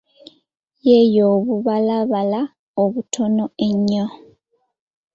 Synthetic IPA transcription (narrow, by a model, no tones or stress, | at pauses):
jejoːβuβalaβala | oβutʰo̞noeɲːo